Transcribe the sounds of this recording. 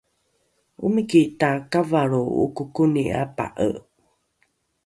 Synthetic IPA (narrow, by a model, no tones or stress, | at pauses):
ʔumikiʔtakavaɾuṵkukunia̰pa̰ʔə̰ʔ